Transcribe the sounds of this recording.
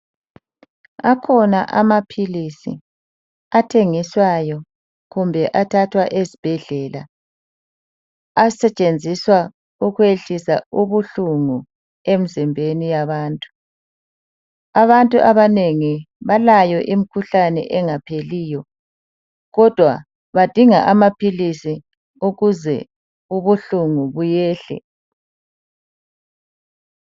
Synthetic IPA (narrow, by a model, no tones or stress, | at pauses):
akʰɔnaʔa̰mapʰilisḭ | atʰeŋiswajɔ | ɣumbʱɛʔatʰatʰwaʔezib̥ʱɛɮɛːla̰ | sɛt͡ʃʼend͡zʱiswa | uɣweɬisauβuɬuŋu | em̩zimbʱenijaβaːntʼu̥ | aβantʼuʔaβaneŋi | βalajɔʔimikʰuɬanɛ̰ʔɛŋapʰeliːjɔ | ɣɔd̥ʱwa̰ | βad̥ʱiŋa̰ʔamapʰilisi | uɣuzɛ̰ | uβuɬuŋuβujɛːɬɛ̰